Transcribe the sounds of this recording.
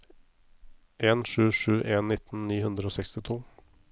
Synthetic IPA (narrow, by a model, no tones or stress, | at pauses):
ʔeːnʂʉːʂʉːʔeːnːɪt̪n̩niːhʉnd̪ɾəoːsɛkst̪ɪt̪ʰuː